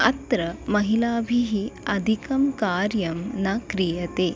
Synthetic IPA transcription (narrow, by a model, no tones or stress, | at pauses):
ɐt̪ɾɐmɐɦilaːbʱiɦiɐd̪ʱikɐmkaːɾjɐmnɐkɾijɐt̪eː